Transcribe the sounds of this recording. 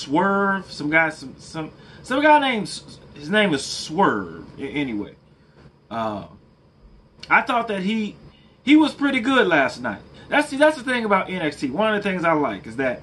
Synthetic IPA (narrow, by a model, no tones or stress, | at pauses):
swɜ˞v̥sʌ̃mɡaɪ̥sʌ̃msʌ̃msʌ̃mɡaɪnẽɪ̃mz̥hɨznẽɪ̃mɨz̥swɜ˞vɪ̰̃ɛniwḛɪ | ʔʌ̃m | aɪθɔt̪̚ðɨt̚ɦi | hiwʌz̥pʰɹ̥ɪɾiɡʊdˡlæstⁿnaɪt̚ðætsðætsðɨθɪ̃ŋəbaʊɾʔɛ̃nɛkstʰiwʌ̃nʌvðɨθɪ̃ŋzaɪlaɪkɨzðɨt̚